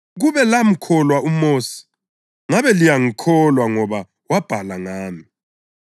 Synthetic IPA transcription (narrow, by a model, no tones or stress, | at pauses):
ɣuβɛlam̩kʰɔlwaumoːsi̥ | ŋaβɛlijaŋikʰɔlwaŋɔβa | wab̥ʱalaŋaːmi